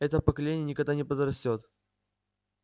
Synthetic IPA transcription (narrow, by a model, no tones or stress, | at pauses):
ɛt̪əpəkɐlʲenʲɪjənʲɪkɐɡd̪anʲɪpəd̪ɾɐsʲtʲot̪